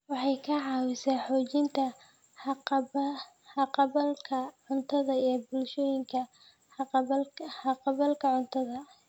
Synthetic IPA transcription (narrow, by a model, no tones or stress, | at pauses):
wɑħɑjkʰɐʕɑwɪsaːħɔːt͡ʃɪnt̪ʰɐ | ħɑqɑβɐlkʰɐʕʊnt̪ʰɐðɐijɞbʊlʃɔːjɪŋkʰɐ | ħɑqɑβɐlkʰɐʕʊnt̪ʰɐðɐ